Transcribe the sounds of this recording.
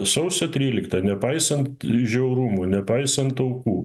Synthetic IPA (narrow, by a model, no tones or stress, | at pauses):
sɐʊsʲɛt̪ʲɾʲiːlʲɪkt̪ɐnʲɛpɐɪsɐnt̪ʒʲɛʊɾʊmuːnʲɛpɐɪsɐnt̪ɐʊkuː